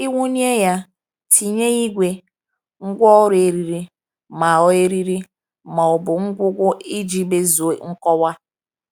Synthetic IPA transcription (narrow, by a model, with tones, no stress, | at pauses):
i˦ŋʷu˦ni˦e˦ja˦ | tʰi˨ɲe˦i˦ɡʷe˦ | ŋ̩˦ɡʷɔ˦ɾʊ˨e˨ɾi˨ɾi˦ | ma˨ɔ˦e˦ɾi˦ɾi˦ | ma˨ʊ˨bʊ˨ŋ̩˦ɡʷʊ˦ɡʷʊ˦i˦d͡ʒi˦be˦zo˨˦ŋ̩˦kɔ˦wa˦